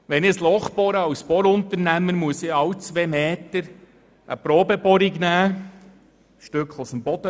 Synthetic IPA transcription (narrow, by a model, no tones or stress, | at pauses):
ʋɛnɪslɔχpɔɾəɑwspɔɾʊnt̪əɾnæmənmuəsɪɑwt͡sʋeːmeːt̪əɾ | ə̰pɾɔːbəbɔɾiɡnæː | ʃtʏkχləsənb̥ɔd̥̪ə